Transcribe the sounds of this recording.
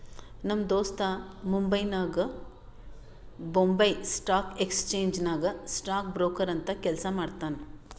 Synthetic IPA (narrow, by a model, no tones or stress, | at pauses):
nɐmd̪oːst̪ɐmumbɐjnaːɡɨ | bombɐjsʈaːkekst͡ʃeːɲd͡ʒnaːɡɐsʈaːkbɾoːkɐɾɐnt̪ɐkɛlsɐmaːɖt̪aːn